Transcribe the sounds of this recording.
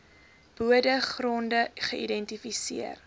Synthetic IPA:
b̥uədəχrɔndəχəʔḭdɛntifisiər

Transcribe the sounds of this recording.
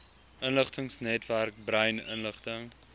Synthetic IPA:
ʔənləχtəŋsnɛtværk̚brəjnə̰nləχtəŋ

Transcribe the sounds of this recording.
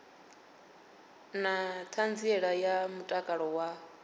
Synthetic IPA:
natʰand͡ziɛɺajamutʼakʼaɺɔwa

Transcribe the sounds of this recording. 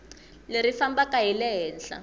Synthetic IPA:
leɾifambakaɦilɛɦɛːnɬa̰

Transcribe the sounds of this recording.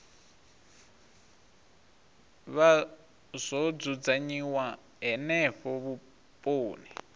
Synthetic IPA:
βa | z̥ʷɔd͡zud͡zaɲiwa | ɦɛnɛɸɔβu | pʼoːni

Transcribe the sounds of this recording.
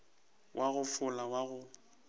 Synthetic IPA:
wʔaɣʊfʊlawaɣʊ

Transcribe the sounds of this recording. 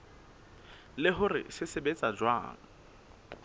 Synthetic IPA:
lɪɦʊrɪ̰sɪsɪbet͡sʼad͡ʒwa̰ːŋ̩

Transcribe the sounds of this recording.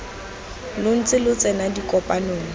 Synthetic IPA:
lʊn̩t͡sʼɪlʊt͡sʼɛnadikʼɔpʼanoːŋ̩

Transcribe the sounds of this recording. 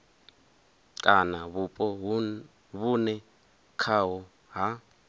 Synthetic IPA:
kʼanaβupʼɔ | βunɛ | kʰawɔ | ɦa

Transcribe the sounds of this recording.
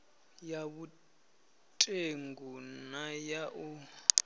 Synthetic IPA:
jaβu | tʼeŋɡunajaʔu

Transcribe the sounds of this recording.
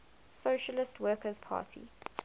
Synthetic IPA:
soːʃəlɪstʰwɜːkəz̥pʰa̰ːtʰḭ

